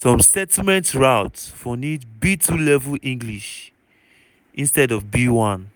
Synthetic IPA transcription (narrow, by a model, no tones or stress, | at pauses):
sɔ̃msɛtimɛ̃ntɹaʊtfɔnitbitʰulɛvlʔĩŋɡliʃ | ʔĩnstɛdɔvbiwãn